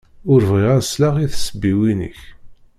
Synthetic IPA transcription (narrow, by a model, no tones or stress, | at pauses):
ʊɾvʁiʁæslaʁiθsəbːiwinə̰ç